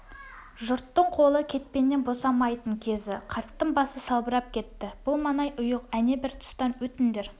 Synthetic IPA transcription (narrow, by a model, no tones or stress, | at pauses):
ʒʊɾt̪ːəɴqʰo̞lˠəkʲʰe̞t̪̚pe̞nːe̞nbo̞sɑmɑjt̪əɴkʲʰe̞zɪqʰɑɾt̪ːəɴbɑsəsɑlˠbəɾɑp̚kʲʰe̞t̪ːɪb̥ʊlˠmɑnɑjʔʊjəqæne̞bɪɾt̪ʰʊ̥st̪ɑnwɵt̪ɪnd̪eɾ